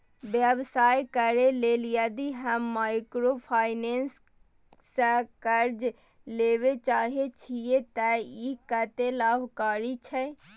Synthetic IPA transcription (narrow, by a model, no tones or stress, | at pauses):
bjəbsaːjkəɾelelijad̪iɦəmːaːɪkɾopʰaːɪneːns | səkəɾd͡ʒ | leːwet͡ʃaːɦet͡ʃʰiet̪əikət̪elaːbkaːɾit͡ʃʰɛ